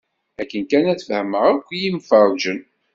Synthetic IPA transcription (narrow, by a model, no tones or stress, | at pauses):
ækːənkænæðfəhməʁəkʷːjimfəɾˤd͡ʒən